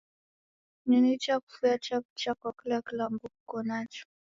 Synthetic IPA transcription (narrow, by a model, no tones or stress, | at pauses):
ninit͡ʃaku̥fujat͡ʃaput͡ʃakwakilakilambuku̥kɔnat͡ʃɔ̥